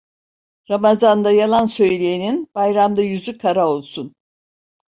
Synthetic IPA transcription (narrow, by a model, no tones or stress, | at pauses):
ɾamazand̪ajalˠansø̞jlʲeininb̥ajɾamd̪ajyzykʰaɾao̞lˠsun